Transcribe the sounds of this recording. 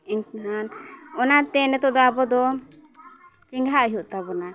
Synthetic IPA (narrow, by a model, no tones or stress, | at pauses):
ɛŋkɦanɔnaɾt̪ɛnɛt̪ɔʔd̪ɔabɔd̪ɔ | t͡ʃɛŋɡɦaʔɦuʔt̪abɔna